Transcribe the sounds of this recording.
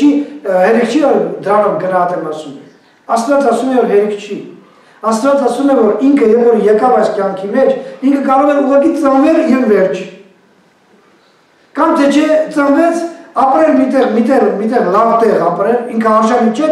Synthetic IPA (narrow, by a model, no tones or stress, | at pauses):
ihɛɾikʰt͡ʃʰiɔɾd̪əɾɑnumɡənɑɦɑt̪ɛmɑsumɛ | ɑst̪vɑt͡sɑsumɛvɔɾɦɛɾikʰt͡ʃʰi | ɑst̪vɑt͡sɑsumɛvɔɾiŋkʰəjɛvvɔɾjɛɾkɑvɑjskjɑŋkʰimɛt͡ʃʰiŋkʰəkɑɾɔʁɛnuʁɑkit͡sənvɛljɛvvɛɾt͡ʃʰ | kɑmt̪ʰɛt͡ʃʰɛt͡sənvɛt͡sʰɑpɾɛlmit̪ɛʁmit̪ɛʁmit̪ɛʁlɑvt̪ɛʁɑpɾɛliŋkʰəɑʒɑnit͡ʃʰɛ